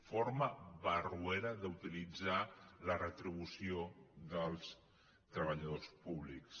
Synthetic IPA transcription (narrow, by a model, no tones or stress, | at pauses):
foɾməβərueɾəðəut̪ilid͡zalərət̪ɾiβ̞usioðəlˠs | t̪ɾəβəʎəðospuβliks